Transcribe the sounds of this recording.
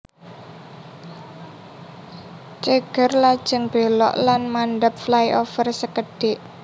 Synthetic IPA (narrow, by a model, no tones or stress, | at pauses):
t͡ʃəɡ̥ə̤rlad̥ʒ̥ə̤ŋb̥e̤lɔ̰ʔlanmanɖəp̚flajʔofərsəkəɖ̥ɪʔ